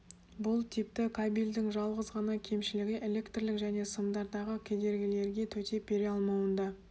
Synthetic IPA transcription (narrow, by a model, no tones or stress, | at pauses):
bʊlˠt̪ʰip̚t̪ɪkʰabilʲd̪ɪŋʒɑlˠʁəzʁɑnɑkʲʰe̞mʃɪlɪɡʲɪʔe̞le̞kt̪rlɪkʒæne̞səmd̪ɑɾd̪ɑʁəkʲʰe̞d̪e̞ɾɡʲɪle̞ɾɡʲe̞t̪ʰɵt̪e̞be̞ɾɑlˠmɑwənd̪ɑ